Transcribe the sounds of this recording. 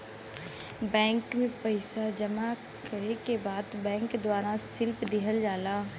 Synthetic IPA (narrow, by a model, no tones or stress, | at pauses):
bɛ̃ːŋkmẽpəɪsad͡ʒɐma | kəɾekebaːd̪bɛ̃ːŋkd̪waːɾasɪlpd̪ɪɦəld͡ʒaːlaː